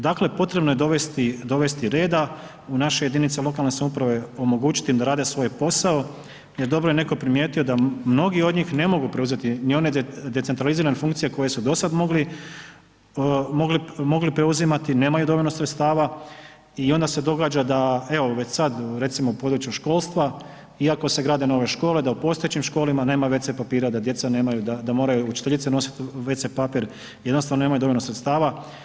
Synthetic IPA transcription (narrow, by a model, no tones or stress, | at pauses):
d̪akle̞po̞t̪ɾe̞bnojed̪o̞ʋe̞st̪id̪o̞ʋe̞st̪iɾe̞ːd̪a | unaʃe̞je̞d̪init̪selˠo̞kalne̞samupɾaʋe̞o̞mo̞ɡuːt͡ʃi̥t̪imd̪aɾaːd̪e̞sʋo̞jpo̞sao̞ | je̞ɾd̪o̞bɾoje̞ne̞ko̞pɾimje̞ːt̪io̞d̪amno̞ɡio̞d̪ɲiːxne̞mo̞ɡupɾe̞uze̞t̪inio̞ned̪e̞t̪sent̪ɾaliziːɾanefuŋkt̪sije̞ko̞je̞sud̪o̞sad̪moɡli | moɡlimo̞ɡlipɾe̞uzimat̪ine̞ːmajud̪o̞ʋolʲnosɾet̪st̪aːʋa | io̞nd̪ase̞d̪o̞ɡaːd͡ʒad̪ae̞o̞ʋe̞t͡ɕsad̪ɾe̞t̪simoupo̞ːd̪ɾut͡ʃjuʃko̞ːlˠst̪ʋa | iako̞se̞ɡɾaːd̪e̞no̞ʋe̞ʃko̞ːled̪aupo̞ːst̪oet͡ɕimʃko̞ːlimaneːmaʋe̞t̪sepapiːɾad̪ad̪je̞t̪sane̞ːmajud̪ad̪amo̞ːɾajuut͡ʃi̥t̪eʎit̪seno̞si̥t̪ʋe̞t̪sepapiɾ | jed̪nost̪aʋnone̞ːmajud̪o̞ʋonosɾet̪st̪aːʋa